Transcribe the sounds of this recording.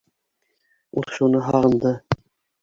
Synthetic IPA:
ulʃunɤɦɑʁɤ̆nd̪ɤ

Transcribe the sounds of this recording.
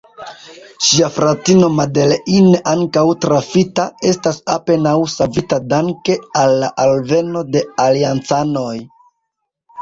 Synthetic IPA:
ʃiafɾatino̞made̞leʔinaŋkawtɾafitae̞stasape̞nawsavitadaŋke̞alːaʔalve̞no̞de̞aliant͡sano̞j

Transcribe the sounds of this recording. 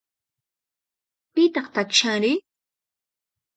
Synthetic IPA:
pɪt̪ɑχt̪akʃaɾɪ

